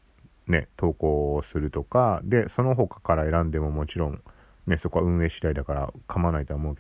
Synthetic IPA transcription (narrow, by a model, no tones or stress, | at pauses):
ne̞̰t̪o̞ːko̞ːsɨɾɯ̟t̪o̞kad̪e̞so̞no̞ɦo̞kḁkaɾae̞ɾãnd̪e̞mo̞mo̞t͡ɕiɾõ̞ŋ | ne̞so̞ko̞aɯ̟̃ɰ̃e̞ːɕi̥t̪aid̪akaɾa̰kʰamanait̪o̞aːmo̞ɯ̟ke